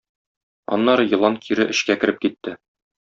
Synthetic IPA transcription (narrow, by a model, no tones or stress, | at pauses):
ɒ̰nːɑɾɤjɤ̆lˠɑŋkʰiɾɘʔɘ̆ɕkækɘ̆ɾɘp̚kit̪ːɘ